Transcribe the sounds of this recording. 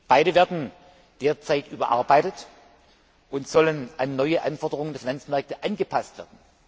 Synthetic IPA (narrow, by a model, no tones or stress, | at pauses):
b̥aɪɾəveːɐdn̩ | d̥eːɐt͡saɪtʔyːbɐ̰ʔa̰ɐbaɪtət | ʔʊntz̥ɔlənʔanːɔʏəʔanfɔɐdəʁʊŋəndeɐfinant͡smɛɐk̚təʔanɡəpʰastv̥ḛːɐdn̩